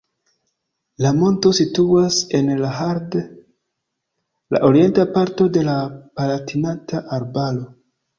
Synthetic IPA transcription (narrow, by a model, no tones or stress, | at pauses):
lamo̞nto̞situase̞nlahaɾd | la̰ʔo̞ɾie̞ntapaɾto̞de̞lapalatinataʔaɾbalo̞